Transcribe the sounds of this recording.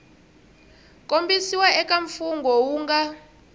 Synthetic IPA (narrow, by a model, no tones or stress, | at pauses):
kʼombisiwaɛkaɱfuŋɡʱɔwuːŋɡa